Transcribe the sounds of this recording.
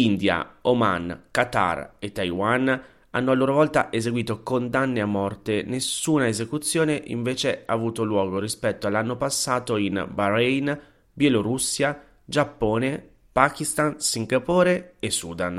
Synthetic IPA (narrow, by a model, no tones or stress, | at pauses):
ind̪ja̰oma̰nkat̪a̰ret̪ːajwan | anːoalːoːɾovɔlt̪aʔezeɡwiːt̪okond̪anːeamːɔrt̪enesuːnaezekut̪sːjoːneʔḭɱveːt͡ʃeavuːt̪olwɔːɡoɾispɛt̪ːoalːanːopasːaːt̪oinbaɾɛjn | bjeloɾusːja | d͡ʒapːoːne | pakist̪ansiŋɡapoːɾeesːuːd̪an